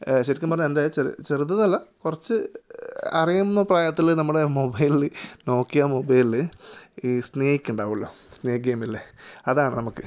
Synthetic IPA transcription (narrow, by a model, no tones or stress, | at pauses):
ɕeɾikːɐmpɐrɐɲːendet͡ɕeɾ̰t͡ɕerut̪̬ːɐðnɐlːɐkurɐt͡ɕːɨ | ɐ̰rijumnːɐpraːjɐt̪ːilnɐmːuɽe̞mobɐjlno̞ːkːijamobɐjl | sneːhikʲːuɳɖaːʋuɭːo̞ːsneːɐɡeːmilːeɐðaːɳɨnɐmukːɨ